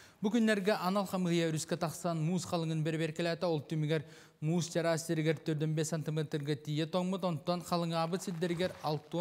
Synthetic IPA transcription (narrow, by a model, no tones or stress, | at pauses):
bulkʰʲynːeɾɡʲeʔɑnɑlˠχɑmɯhjeɾyskʲet̪ʰɑχsɑnmuːsqʰɑlˠɯŋɯnbeɾbeɾkʲelʲæt̪ɑolˠt̪ːymiɡʲeɾ | muːst̪ʲeɾɑsʲt̪eɾɡʲeɾt̪ːøɾd̪ynbesant̪ʲimet̪ɾɡʲet̪ʰijet̪ʰoŋmət̪ond̪t̪ːɑnqʰɑlˠɯŋɑbɯt̪sʲid̪d̪eɾɡʲeɾɑlˠt̪ːu